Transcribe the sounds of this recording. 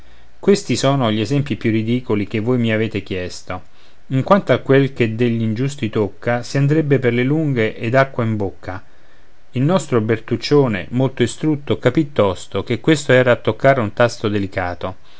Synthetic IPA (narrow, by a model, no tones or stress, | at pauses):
kwest̪isɔːnoʎiezɛmpipjurːid̪iːkolik̟evːojmiaveːt̪ek̟jɛst̪o | iŋkwant̪oakːwelked̪eʎːind͡ʒust̪it̪okːasiand̪ɾebːeperleluŋɡeʔed̪akːwaimbokʰːa | ilnɔst̪ɾobert̪ut͡ʃːoːnḛmolt̪oist̪ɾut̪ːokapit̪ːɔst̪okekwest̪oɛːɾaːt̪ːokːaːɾeunt̪ast̪od̪elikaːt̪o